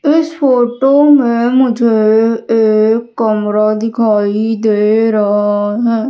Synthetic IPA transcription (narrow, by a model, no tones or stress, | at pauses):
ɪspʰoːʈoːmɛ̃ːmʊd͡ʒʱeeːkːəmɾaːd̪ɪkʰaːid̪eːɾəɦaɦɛː